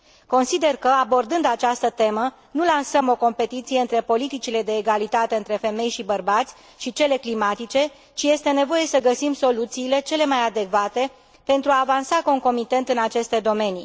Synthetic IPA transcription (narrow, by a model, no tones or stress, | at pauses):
ko̞nsid̪e̞rkəabo̞rd̪ɨnd̪at͡ʃast̪ət̪e̞mə | nulansəmo̞ko̞mpe̞t̪it̪sije̞ɨnt̪ɾe̞po̞lit̪it͡ʃile̞d̪e̞ːɡalit̪at̪e̞ɨnt̪ɾe̞fe̞me̞jʃibərbat̪sʲ | ʃit͡ʃe̞le̞klimat̪it͡ʃe̞ | t͡ʃije̞st̪e̞ne̞vo̞je̞səɡəsimso̞lut̪siːle̞t͡ʃe̞le̞majad̪e̞kvat̪e̞ | pe̞nt̪ɾuaːvansakəuŋko̞mit̪e̞nt̪ɨnat͡ʃe̞st̪e̞d̪o̞me̞ni